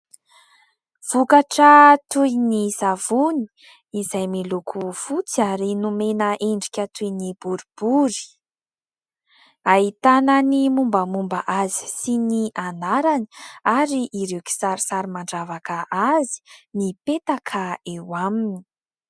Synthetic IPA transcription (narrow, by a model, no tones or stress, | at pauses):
v̥ukaʈ͡ʂət̪ujnizavuni̥ | izajmilukʰufut͡siaɾinumenəʔeɳɖ͡ʐikʲət̪ujnib̥uɾub̥uɾi̥ | aɦit̪ananimumbəmumbaʔazi̥siniʔanaɾani̥aɾiʔiɾewki̥saɾisaɾimaɳɖ͡ʐavakəʔazi̥nipet̪akʰəewamini̥